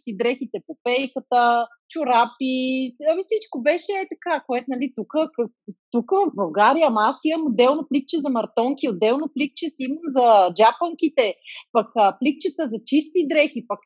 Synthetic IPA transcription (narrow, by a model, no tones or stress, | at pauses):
sid̪ɾɛxit̪ɛpopɛjkət̪ə | t͡ʃʊɾapiɐmifsit͡ʃkobɛʃɛɛt̪ɐkakoɛt̪nɐlit̪ukəkə | t̪ukəvɐfbɐlˠɡaɾijəːmɐasiməmod̪ːɛlˠnoplik̚t͡ʃɛzɐmɐɾt̪ɔŋkʲiod̪ːɛlˠnoplik̚t͡ʃɛsiiməmzɐd͡ʒapəŋkit̪ɛpɐkəplik̚t͡ʃət̪əzɐt͡ʃist̪id̪ɾɛxipɐk